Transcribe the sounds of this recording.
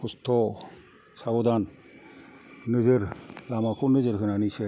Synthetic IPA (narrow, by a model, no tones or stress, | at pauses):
kust̪ʰɔ | sabɔd̪an | ɯzɯɾlamakʰunɯzɯɾkɯnanise